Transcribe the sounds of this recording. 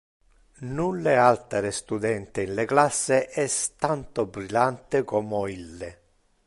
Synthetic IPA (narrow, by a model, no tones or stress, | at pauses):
nulːɪalt̪eɾɪst̪ud̪ɛnt̪ɪinleklasːeʔɛst̪ant̪obɾilant̪ɪkɔmɔilːɪ